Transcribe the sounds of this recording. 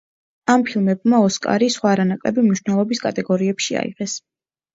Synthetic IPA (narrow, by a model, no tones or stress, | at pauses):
ampʰilˠmɛbmaɔskʼa̰ɾisχwaːɾanakʼlɛ̰bimniʃwnɛlˠɔbiskʼa̰t̪ʼɛɡɔɾiɛpʃia̰ḭʁɛs